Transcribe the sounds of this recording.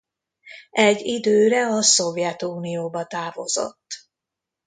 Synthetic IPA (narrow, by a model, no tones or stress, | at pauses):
ʔɛɟːid̪øːɾɛɒso̞vjɛt̪uːnijoːbɒt̪aːvo̞̰zo̞̰t̪ː